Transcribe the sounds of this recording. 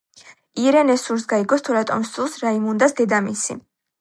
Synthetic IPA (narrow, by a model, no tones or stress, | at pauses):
iɾɛnɛsuɾsɡaiɡɔst̪ʰuɾat̪ʼɔ̰msulˠsɾaimund̪asd̪ɛd̪amisḭ